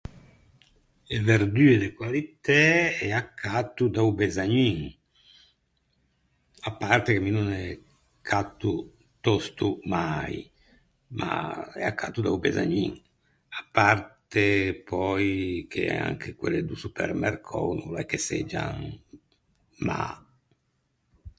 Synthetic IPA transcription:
eveɾd̪yːed̪ekwalit̪ɛɛakʰːat̪ːud̪aubezaɲiŋ | apːart̪ekemːinunɛ | kʰːat̪ːu | t̪ɔst̪umaj | mʔa̰ɛ̰akʰːat̪ːud̪aubɛza̰ɲiŋ | apːart̪epʰɔjkʰeɛa̰ŋkʰekweled̪usupɛ̰ɾmɛrkʰɔ̰nulɛkːesed͡ʒa̰ŋ | ma̰

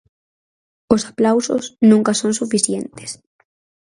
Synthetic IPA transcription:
osḁplawso̰snũŋkasõnsufiθjent̪e̥s

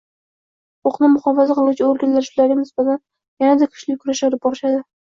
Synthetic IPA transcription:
oqnɪmʊχɒfazaqʰɨlˠuwt͡ʃʰɪoɾɡʲanlaɾʃʊlaɾɡʲanɪsb̥at̪ʰan | janad̪akʰʊ̥ʃlɪkʲkʰʊɾaʃaɾp̚bɒɾɪʃad̪ɪ

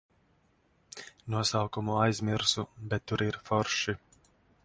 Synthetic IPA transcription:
nuɔsawkumuajzʲmʲiɾsubʲɛt̪ːuɾiɾfɔɾʃi

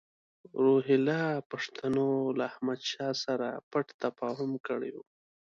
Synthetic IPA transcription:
ɾoɦɪlɑpaʂt̪ʰanolaːhmad̪ʃɑsaɾa̰paʈt̪afɑhʊmkəɽewu

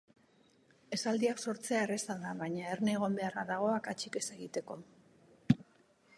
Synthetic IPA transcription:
e̞sald̪iakso̞ɾt͡se̞aere̞saðaβaɲaerne̞ːɣ̞o̞mbe̞araðaɣ̞o̞akat͡ʃike̞seɣit̪e̞ko̞

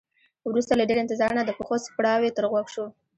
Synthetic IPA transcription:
wɾust̪alaɖeɾeɪnt̪ɪzɑɾnad̪əpəxospɽɑwet̪əɾɣwakʃo

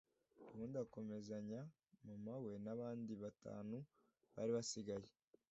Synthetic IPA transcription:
uβuːndako̞me̞zaɲa | mamawe̞naβaːndiβata̰ːnu | βa̰ːɾiβasiɡaje

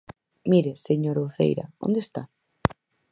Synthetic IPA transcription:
miɾeseɲoɾowθḛjɾɐ̰õ̰nd̪est̪a̰

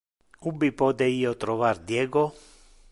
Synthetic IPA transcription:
ubipɔd̪eiːot̪ɾɔvaɾd̪jɛːɡo

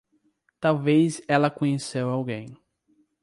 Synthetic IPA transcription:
t̪awvezɛlɐkõɲesewawɡẽj̃

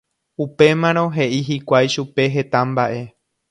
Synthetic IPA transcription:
upe̞mãɾ̃õ̞ɦe̞ʔiɦikʷajʃupe̞ɦe̞t̪ãmbaʔe̞

